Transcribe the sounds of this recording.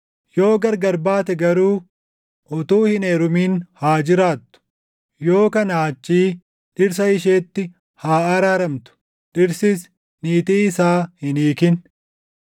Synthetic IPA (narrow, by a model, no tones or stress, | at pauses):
jo̞ːɡɐɾɡɐɾbaːt̪ɛɡɐɾuː | ʔʊt̪uːhɪneːɾʊmiːnhaːd͡ʒɪɾaːt̪ːʊ̥ | jo̞ːkɐnɐɐt͡ʃːiː | ᶑɪɾs̬ɐɪʃ̬eːt̪ːɪ | haːɐɾaːɾɐmt̪ʊ̥ | ᶑɪɾsɪs | niːt̪iːɪsaːhɪniːkɪn